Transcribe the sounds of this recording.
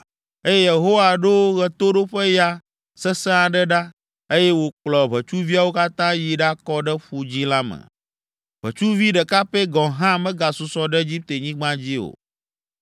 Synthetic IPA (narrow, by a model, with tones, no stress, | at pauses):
e˦jɛ˦je˨ɦo˦wa˨ɖo˦ɣɛ˨t̪o˦ɖo˦ɸe˦ja˦ | sɛ˦sɛ̃˦a˨ɖɛ˦ɖa˦ | e˦je˦wo˨k͡plɔ˨βɛ˨t͡ʃu˦vi˦a˨wo˦ka˦t̪ã˦ji˨ɖa˦kɔ˦ɖɛ˦ɸu˦d͡ʑi˦la˦mɛ̰̃˨ | βɛ̰˨t͡ʃu˦vi˦ɖɛ˨ka˦ɸe˦ɡɔ̃˨ɦã˦mɛ̃˦ɡa˨su˨sɔ˦ɖɛ˦e˦d͡ʑi˦p̚t̪e˨ɲĩ˦ɡ͡bã˦d͡ʑi˦o̰˨